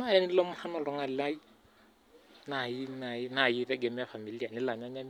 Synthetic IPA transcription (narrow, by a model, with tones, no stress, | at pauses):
a˦lɛ˦ni˦lɔ˦mʊ˦ha˦nɔ˨lɔ˨ŋa˨la˦i˦ | na˨i˦na˨i˦na˨i˦ɾɛ˦ɡɛ˨m˦a˦fa˨mi˨li˦a˨nɪ˦la˨ɲa˦ɲa˦m